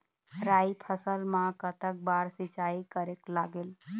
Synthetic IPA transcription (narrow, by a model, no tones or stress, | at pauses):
ɾaipʰəsəlmãkət̪ək̚baɾsit͡ʃaikəɾeklaɡel